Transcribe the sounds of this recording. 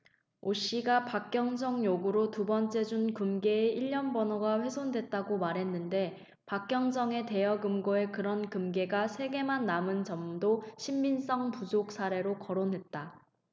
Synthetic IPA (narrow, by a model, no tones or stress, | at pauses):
oɕ͈iɡapak͈̚jʌŋsʰʌŋjoɡuɾotubʌnt͡ɕ͈e̞d͡ʑunkɯmɡe̞ːiʎːʌnbʌnoɡaɸwe̞sʰondwe̞t̚t͈aɡomaɾɦe̞nːɯnde̞ | pak͈jʌŋsʌŋe̞te̞jʌɡɯmɡoe̞kɯɾʌnkɯmɡe̞ɡasʰe̞ɡe̞manːamɯnt͡ɕʌmdoɕʰimːins͈ʌŋpusʰok̚sʰaɾe̞ɾokʌɾonɦe̞t̚t͈a